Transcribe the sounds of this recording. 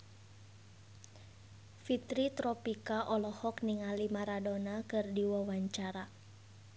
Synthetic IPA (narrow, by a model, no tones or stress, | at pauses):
fit̪ɾit̪ɾɔpikaʔɔlɔhɔkniŋalimaɾadonakɨrdiwawaɲt͡ʃaɾa